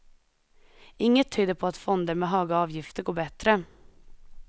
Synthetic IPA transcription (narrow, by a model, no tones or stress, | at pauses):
ɪŋːət̪ʰːyːd̪əpʰɔːɑt̪fɔnd̪əɾmeːɦɑːɡɑːʋjɪft̪əɾɡoːbɛt̪ɾə